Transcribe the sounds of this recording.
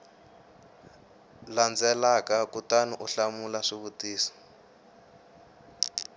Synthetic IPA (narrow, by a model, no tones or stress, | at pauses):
land͡zɛlakakutaniʔuɬamulaʂiβutiːsɔ̥